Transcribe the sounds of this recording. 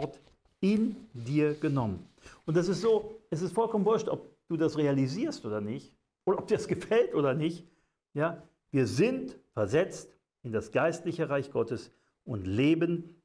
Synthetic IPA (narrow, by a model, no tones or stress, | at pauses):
t | ɪndiːɐɡ̥ənɔmən | ʔʊntdɛs̬ɪstz̥oːʔɛsɪstfɔlkʰɔmən̩vʊɐʃtɔ̰p̚d̥uːdasʁealiziːɐstʔoːdɐnɪçt | ʔoːdɾɐʔɔp̚d̥iːɐasɡ̥əfɛltʔoːdɐnɪçt | jaː | viːɐzɪntfɛɐzɛt͡st | ʔɪndasɡ̥aɪstlɪçəʁaɪçɡ̥ɔtəs | ʔʊntleːbən